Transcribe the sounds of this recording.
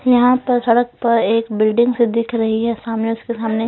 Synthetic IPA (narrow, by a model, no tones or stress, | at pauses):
jɐɦãpɐɾsɐɽək̚pɐɾeːkbɪlɖɪ̃ŋɡsed̪ɪkʰɾɐɦiɦɛsaːmneʊskesaːmne